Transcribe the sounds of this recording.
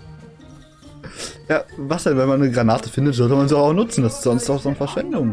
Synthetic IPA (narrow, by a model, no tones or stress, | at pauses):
jaːvasd̥ɛnvɛnmanːəɡʁanaːtə̥fɪndətz̥ɔltəmanziaʊxaʊxnʊt͡sn̩d̥asɪ̥stz̥ɔnstd̥aʊxz̥onfɛɐʃv̥ɛndʊŋ